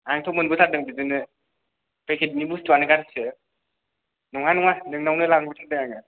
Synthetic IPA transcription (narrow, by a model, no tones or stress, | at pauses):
aŋtʰɔmɯnbɯtʰaɾ̚dɯŋbizɯnɯ | pekʰet̚nibustuanɯɡaɾɯsɯ | nɔŋanɔŋadɯŋnawnɯlaŋbɯtʰaɾ̚dɯŋaŋɯ